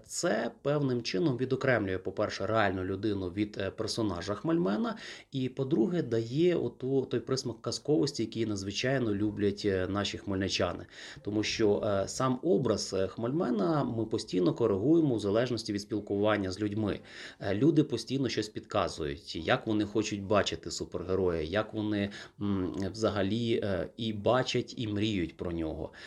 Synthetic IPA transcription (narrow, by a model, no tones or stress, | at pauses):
t̪sɛpɛwnɪmt͡ʃɪnɔmʋʲid̪ɔkɾɛmlʲʊjɛpɔpɛrʃɛɾeɑlʲnʊlʲʊd̪ɪnʊʋʲid̪pɛrsɔnɑʒɐxmɐlʲmɛnɐipɔd̪ɾuɦɛd̪ɐjɛɔt̪ut̪ɔjpɾɪsmɐkːɐskɔʋɔsʲtʲijɐkʲijnɐd̪zʋɪt͡ʃɑjnɔlʲublʲɐtʲn̪ɑʃʲixmɔlʲnɪt͡ʃʲɑ̰nɪ̰ | t̪ɔmuʃt͡ʃɔsɑmɔbɾɐzxmɔlʲmɛnɐmɪpɔsʲtʲijnɔkɔɾeɦujemɔwzɐlˠɛʒnɔsʲtʲiʋʲid̪sʲpʲilˠkʊʋɑnʲːɐzʲlʲudʲmɪ̰ | lʲud̪ɪpɔsʲtʲijnɔʃt͡ʃɔsʲpʲid̪kɑzʊ̰jʊ̰tʲjakʋɔnɪxɔt͡ʃʊt̚ʲbɑt͡ʃɪt̪ɪsuperɦeɾɔjɐ̰jɐkʋɔnɪ | wzɐɦɐlʲiibɑt͡ʃʲɐtʲimɾʲijʊtʲpɾɔnʲɔ̰ɦɔ̰